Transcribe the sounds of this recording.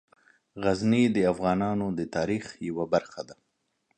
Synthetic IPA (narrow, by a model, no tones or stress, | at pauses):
ɣaznid̪əafɣɑnɑnod̪ət̪ɑɾixjawabaɾxad̪a